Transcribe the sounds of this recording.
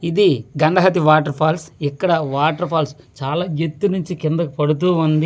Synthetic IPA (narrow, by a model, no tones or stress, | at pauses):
id̪iɡɐɳɖɐɦɐt̪̬iʋaːʈɐɾpʰaːlsikːɐɽɐʋaːʈɐɾpʰaːls | t͡ʃaːlaːet̪ːunuɲt͡ʃikɪnd̪ɐkupɐɽut̪̬uːund̪i